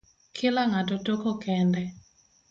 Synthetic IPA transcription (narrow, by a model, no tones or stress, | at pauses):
kʰɪlaŋatɔtokɔkɛndɛ